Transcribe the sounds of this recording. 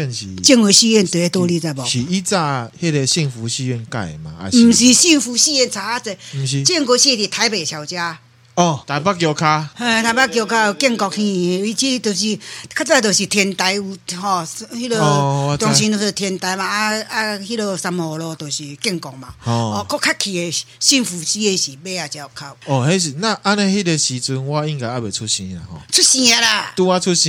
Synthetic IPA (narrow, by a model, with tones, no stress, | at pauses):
ɛ˧˨nɕḭ˨˩t͡ɕi˥˧ŋwe˨˧˩ɕi˥˧ɛ˥˧˨nt̪we˨˦˧t̪wɔ˦li˦t͡sa˧˨bɔ˨i˨i˦t͡sa˥˧he˦ɾe˧ɕi˥˨ŋfu˨˦ɕi˧ɛ˥˧˨nka̰˧˩je˨ma̰˨a̰˨mm̩˨˩ɕi˨ɕi˥˧ŋfu˨˧˦ɕi˥˧ɛ˥˧˨nt͡sʰa˧a˦t͡se˧˩m̩˨ɕi˨t͡ɕi˥˧˨ŋko˧˦ɕi˥˧t̪i˨˩t̪ʰa˧˦jbe˨t͡ɕʰja˨˩wt͡ɕja˧ | ɔ˨˩t̪a˨˧pa˦kjo˧kʰa˦hẽ˧t̪ʰa˧˩jpa˦kjo˧˩kʰa˦˧kjɛ˥˧ŋkɔ˧k̚hĩ˧˨e˧i˧t͡ɕi˦˧t̪o˨˩ɕi˨kʰa˦˥t͡sa˥˧t̪̬o˨˩ɕi˨t̪ʰjɛ˧nt̪a˧ju˧hɔ˧˩hi˦˥lə˧˦t̪jɔ˨ŋɕĩ˧no˨˩si˧˩t̪ʰjɛ˧nt̪a˨˦jmã˨a˦a˧hi˦˥lə˧sa˧mɔ˨lɔ˧t̪o˨˩ɕi˨kjɛ˥˩˨ŋkɔ˨k̚mã̰˨ɔ˧˨kɔ˦kʰːa˦kʰːi˨e˨ɕi˦˧nfu˨t͡ɕi˦e˧ɕi˨be˦a˨t͡ɕja˧˩˨kʰa˧˩p̚ɔ˨he˦ɕ̬i˨nã˥˧˨ʔa˦nẽ˧hi˦te˧ɕi˧t͡su˧nwa˦i˦nka˨˧˨a˦˨be˨˩t͡sʰu˦ɕĩ˧˦a̰˨hɔ̰˨t͡sʰu˦tɕĩ˧a˧la˨t̪u˧a˦t͡sʰu˦ɕĩ˧